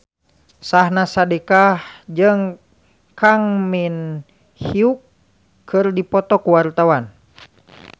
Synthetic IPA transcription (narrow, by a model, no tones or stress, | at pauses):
sahnasadekahd͡ʒəŋ | kaŋmin | hiukʰː | ɨrdipɔt̪ɔkuwart̪awan